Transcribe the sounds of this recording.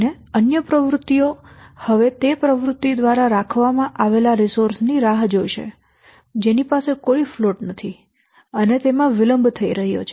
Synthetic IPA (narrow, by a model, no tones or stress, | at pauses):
ne | ənjəpɾəʋɾʊt̪ːiohəʋet̪epɾəʋɾʊt̪ːid̪ʋaɾaɾakʰʋamãʔaʋelaɾɪsoɾsniɾaɦd͡ʒojʃḛ | d͡ʒenipasekoifloʈnət̪ʰi | ənet̪emãʋɪləmbʱt̪ʰəiɾəɦjo̰t͡ʃʰe